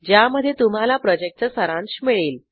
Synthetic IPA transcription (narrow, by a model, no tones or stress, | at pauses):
d͡ʑjaməd̪ʱːjet̪um̤alapɾɔd͡ʑek̚ʈt͡səsəɾãnt͡ɕmiɭiːl